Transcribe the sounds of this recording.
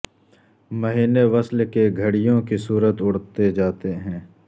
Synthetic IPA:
məɦiːneʋɐslkeɡʱəɽɪjõkisuːɾət̪ʊɽt̪ed͡ʒaːt̪eɦɛ̃ː

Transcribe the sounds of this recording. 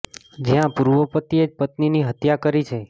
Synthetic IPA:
d͡ʒijãpuɾʋəpət̪ied͡ʒpət̪niniɦət̪jakəɾit͡ʃʰe

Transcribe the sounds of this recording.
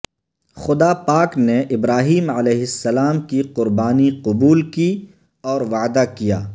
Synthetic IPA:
xʊd̪apaːkneʔɪbɾaːɦiːmɐlɛːɦɪsːɐlaːmkiqʊɾbaːniqʊbuːlki | ɔːɾʋaːd̪akija̰ː

